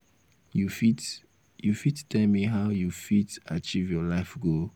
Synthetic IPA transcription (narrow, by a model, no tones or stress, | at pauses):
jufit | jufittʰɛlmiɦaʊjufitat͡ʃivjɔlaɪfɡo